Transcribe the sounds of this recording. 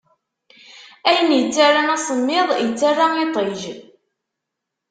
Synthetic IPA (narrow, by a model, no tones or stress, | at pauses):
æjənjət͡sːarˤːanæsˤəmːɪðˤjət͡sːarːait̪ˤeʒ